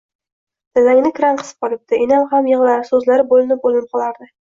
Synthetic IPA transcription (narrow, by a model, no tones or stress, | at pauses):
d̪̥azaŋnɪkʰɾanqʰɨ̥sɨ̥p̚qɒlˠɪp̚t̪ʰɪenalhamjɤʁlˠaɾsɵzlaɾɪbolˠɪnɪp̚bolɪnɪp̚qʰɒlˠaɾd̪ɪ